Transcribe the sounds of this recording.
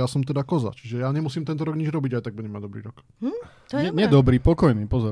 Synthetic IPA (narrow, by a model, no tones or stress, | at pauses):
jaːsɔmt̪ɛd̪akɔza̰t͡ʃi̥ʒɛjaːɲɛmusiːmt̪ɛnt̪ɔɾɔɡɲid͡ʒɾɔbiɟajt̪aɡ̚buɟɛmaɟd̪ɔbɾḭːɾɔk̪ | ɲɛɲɛd̪ɔbɾiːpɔkɔjniːpɔzɔ